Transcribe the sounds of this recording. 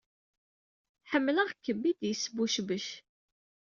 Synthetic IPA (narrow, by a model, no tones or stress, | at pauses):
ħəmːləʁkːəbːid̪jəsəbuʃbəʃ